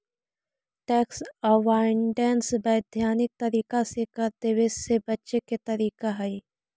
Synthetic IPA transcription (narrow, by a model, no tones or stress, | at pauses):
ʈɛːksəʋaːɪɳɖɛːnsbəːd̪ʱjaːnɪk̚t̪ɐɾiːkasekɐɾd̪eʋesebɐtːʃeket̪ɐɾiːkaɦɐiː